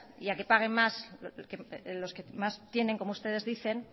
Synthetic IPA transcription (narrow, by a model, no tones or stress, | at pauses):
iake̞paɣ̞e̞mmaskelo̞ske̞mast̪je̞ne̞ŋko̞moust̪e̞ð̞e̞zðiθe̞n